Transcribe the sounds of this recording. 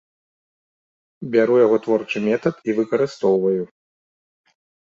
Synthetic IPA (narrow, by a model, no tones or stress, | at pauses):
bʲaɾujaɣɔt̪vɔrt͡ʂɨmʲɛt̪ɐt̪ivɨkɐɾɨst̪ɔwvɐju